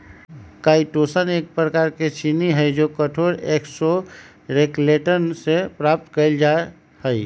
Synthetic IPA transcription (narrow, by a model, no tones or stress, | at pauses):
kaiʈosənek̚pɾəkaɾket͡ʃiniɦəjd͡ʒokəʈʰoɾekso | ɾekleʈənsepɾap̚t̪kəɪld͡ʒae | həɪ